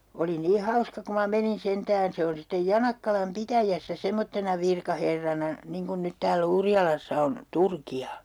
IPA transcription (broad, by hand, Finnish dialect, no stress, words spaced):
oli niː hɑuskɑ ku mɑ menin sentæːn se on sitːej jɑnɑkːɑlɑm pitæjæsːæ semːotːenɑ ʋirkɑherːɑnɑ niŋ kun nyt tæːlː urjɑlɑsːɑ on turkiɑ